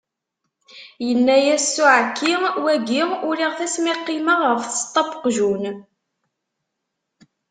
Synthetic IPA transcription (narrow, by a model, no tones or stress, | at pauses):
jənːæjæsːuʕkːiwæɡiʊɾiʁθæsmiqːiməʁəfθə̥st̪ˤːɑbə̥qʒun